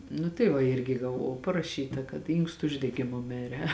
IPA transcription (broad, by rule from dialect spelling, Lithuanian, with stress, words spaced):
nʊ tɐɪ ˈʋɐ ˈɪrʲɡʲɪ ɡɐˈʋɐʊ pɐrɐˈʃʲiːtɐ kɐt ˈiːŋkstʊ ʊʒʲdʲɛɡʲɪˈmʊ ˈmʲɪrʲɛ